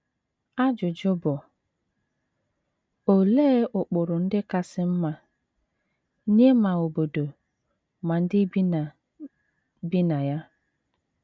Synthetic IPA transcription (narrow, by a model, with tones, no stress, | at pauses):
a˦d͡ʒʊ˨d͡ʒʊ˦bʊ˨ | o˨le˦ʔʊ˨k͡pʊ˨ɾʊ˨n̩˦dɪ˦ka˦sɪ˦m̩˦ma˦ | ne˦ma˨o˨bo˨do˨ | ma˨n̩˦dɪ˦b | bi˦na˨ja˦